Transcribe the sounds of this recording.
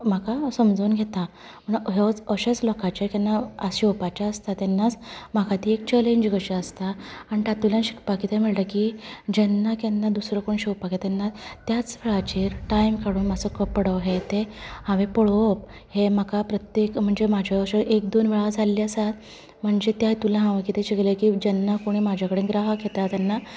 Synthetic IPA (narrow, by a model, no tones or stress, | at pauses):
m̤akasəmd͡zəuːnɡʱet̪a | məɳɦɔt͡səɕat͡slɔkat͡ɕekanːaəɕwpat͡ɕaəst̪at̪ɛnːat͡sm̤akat̪iːek̚t͡ɕɛleɲd͡ʑɡəɕaəst̪aːniʈat̪uljanɕi̥kpakit̪amiɭʈ̪akid͡ʑɛnːakɛnːad̪usɾɔkoɳɕewpaket̪anːat̪jat͡sfeɭat͡ɕeɾʈajmkʰaɽuːnmət͡səkəpəɽəɦet̪ehãʋepəɭop | hemakʰapɾət̪jekm̤əɳd͡zemad͡ʑʱaəɕəʔek̚d̪onʋeɭad͡zʱalːiasat̪ | m̤əɳd͡zet̪jajt̪ulaɦãʋekit̪ʰeɕiɡlekid͡ʑɛnːakoɽ̃iːmad͡ʑʱakəɽẽɡɾaɦəkʰet̪at̪janːa